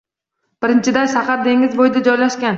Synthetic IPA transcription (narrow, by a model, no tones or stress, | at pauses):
b̥ɪɾɪnt͡ʃʰɪd̪ajʃaqɑɾd̪e̞ŋɪzbojd̪ad͡ʒɒjlaʃkʲan